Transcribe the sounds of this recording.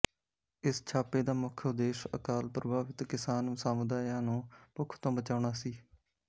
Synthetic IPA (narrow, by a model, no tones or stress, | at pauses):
ɪst͡ʃʰaːpeːd̪aːmʊkʰd̪eːʃə̰kaːlpɾəbʱaːʋɪt̪kɪsaːnsaːmʊd̪aːjãːnũːpʊkʰːt̪õːbət͡ʃaːʊɳaːsiː